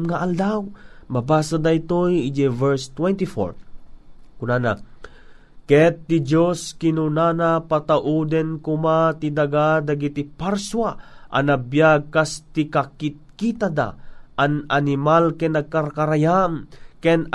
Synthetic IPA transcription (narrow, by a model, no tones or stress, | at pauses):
ŋaʔald̪awmabaːsad̪ait̪ojid͡ʒɛvɛɹst̪wɛnt̪ifo̰ɹ | kʊnana | kɛt̪ːɪd͡ʒoskɪnunanapat̪aʔud̪ɛnkʊmat̪id̪aɡad̪aɡit̪ipaɾswaʔanabjaɡ̚kast̪ɪkakit̪̚kit̪ad̪a̰ʔananɪmalkɛnaɡ̚kaɾakaɾajamkɛn